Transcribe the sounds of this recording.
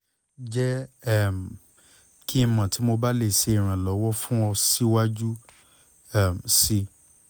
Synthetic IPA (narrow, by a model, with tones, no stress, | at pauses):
d͡ʒɛ˦ɛ˦˨m˨ | ki˦˧mã˨ti˨˦mo˧ba˦le˧˨ʃe˧i˨ɾ̃ã˨lɔ˨˦wɔ˦fũ˦ɔ˧si˦wa˦d͡ʒu˦ | ɛ˦˨m˨si˧